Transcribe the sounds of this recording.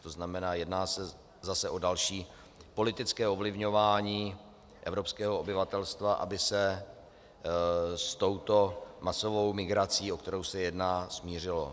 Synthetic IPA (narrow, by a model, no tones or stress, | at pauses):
t̪o̞znamɛnaːjɛdnaːsɛ | zasɛʔo̞dalʃiː | po̞lɪt̪ɪt͡skɛːʔovlɪvɲo̞vaːɲiː | ʔɛvɾopskɛːɦoobɪvat̪ɛlst̪vaʔa̰bɪsɛ | st̪o̞wt̪o̞maso̞vo̞wmɪɡɾat͡siːo̞k̚t̪ɛɾo̞wsɛjɛdnaːsmiːr̝ɪlo̞